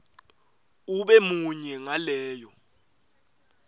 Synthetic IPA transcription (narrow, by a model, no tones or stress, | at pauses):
uɓɛmuɲɛŋalɛːjɔ